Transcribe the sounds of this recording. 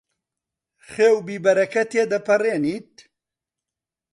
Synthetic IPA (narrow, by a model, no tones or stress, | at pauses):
χeːwbiːbɐɾɐkɐt̪ʰeːd̪ɐpʰɐreːniːt̪̚